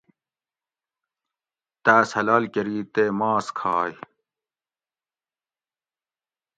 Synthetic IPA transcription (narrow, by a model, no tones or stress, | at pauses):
t̪æːshɐlaːlkɐɾiːt̪eːmaːskʰaːj